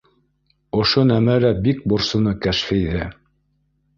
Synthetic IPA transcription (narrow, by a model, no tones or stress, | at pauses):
ŏʃonæmæɾæbik̚bŏɾsɤ̆nɤkæʃfɘjðæ